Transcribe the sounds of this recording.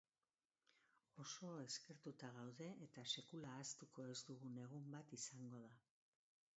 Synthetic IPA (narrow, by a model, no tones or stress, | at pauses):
o̞so̞e̞ske̞ɾt̪ut̪aɣ̞awðe̞ːt̪ase̞kulaːst̪uko̞e̞zd̪uɣune̞ɣ̞umbat̪isaŋɡo̞ð̞a